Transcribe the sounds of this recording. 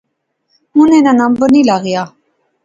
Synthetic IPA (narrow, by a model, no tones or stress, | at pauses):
munɛnanambənilaɣja